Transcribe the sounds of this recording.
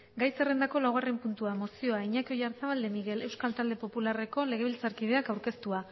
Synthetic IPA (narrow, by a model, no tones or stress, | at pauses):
ɡajse̞re̞nd̪ako̞lawɣare̞mpunt̪uamo̞sio̞aiɲako̞jaɾsaβald̪e̞miɣe̞le̞wskalt̪ald̪e̞po̞pulare̞ko̞le̞ɣe̞βilt͡saɾkið̞e̞akawɾke̞st̪ua